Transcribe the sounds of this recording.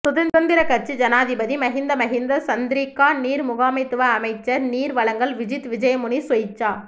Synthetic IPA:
sʊðɐnd̪ɐnd̪ɪɾɐkɐɾt͡ʃid͡ʒɐnaːðɪbɐðimɐɦɪnd̪ɐmɐɦɪnd̪ɐsɐnd̪ɪɾiːkːaːniːɾmʊɣaːmɐɪt̪ːɯʋɐːmɐɪt͡ʃːɐɾniːɾʋɐɭɐŋɡɐlʋɪd͡ʒɪt̪ʋɪd͡ʒɐjɐmʊɳisʊjɪt͡ʃːaː

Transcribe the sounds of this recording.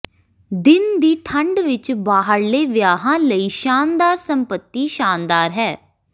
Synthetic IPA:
d̪ɪnd̪iːʈʰəɳɖʋɪt͡ʃbaːɦəɾleːʋɪjaːɦãːləiːʃaːnd̪aːɾsəmpət̪ːiːʃaːnd̪aːɾɦɛː

